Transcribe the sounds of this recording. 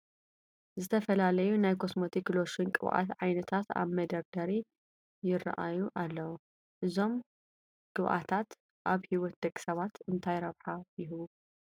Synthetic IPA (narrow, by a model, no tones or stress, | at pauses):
zɨt̪ʰɐfɐlalɐjunajkʰo̞smot̪ʰikloʃinkʼɨβʔa̰t̪ʕajnɐt̪ʰat̪a̰βmɐd̪ɐɾd̪ɐɾi | jɪrɐ̰ʔajuʔalːɐwu | ʔɨzo̞m | ɡ̥ɨβʔa̰t̪ʰat̪ | ʔaβhiwɔt̪̚d̪̥ɐkʼsɐβat̪ɨnt̪ʰajɾɐβħajɪhβu